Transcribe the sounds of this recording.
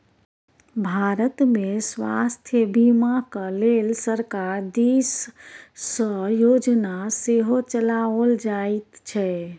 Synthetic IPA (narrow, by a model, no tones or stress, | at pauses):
bʱaɾət̪mesʋa̰st̪ʰjəbimakəlelsəɾkaɾd̪isː | əjod͡ʒnaseɦot͡ʃəlaəld͡ʒait̪t͡ʃʰɛ